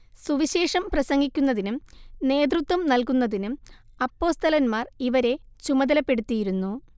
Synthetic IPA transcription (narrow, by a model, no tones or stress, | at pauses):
suʋiɕe̞ːʂɐmprɐsɐŋɡikʲːunːɐðinune̞ːd̪̬rut̪ʋɐmnɐlkunːɐðinu | ɐpːo̞ːst̪ɐlɐnmaːriʋɐɾe̞ | t͡ɕumɐd̪ɐlɐpːe̞ɽut̪ːijiɾunːu